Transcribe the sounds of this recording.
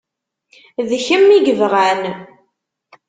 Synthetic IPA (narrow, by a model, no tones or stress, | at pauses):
ðçəmːiɡəvʁæn